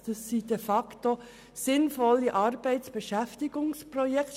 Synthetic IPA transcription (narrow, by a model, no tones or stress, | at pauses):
d̪̥ɑsːid̥ɛfɑkto | sɪnfɔlːiʔɑrb̥ɛɪtt͡sb̥ɛʃæftiɡ̥ʊŋsprɔjɛkt